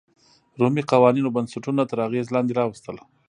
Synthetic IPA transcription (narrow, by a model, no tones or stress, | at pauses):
ɾomiqawɑninobansaʈunat̪əɾaɣezlɑnd̪eɾɑwəst̪əla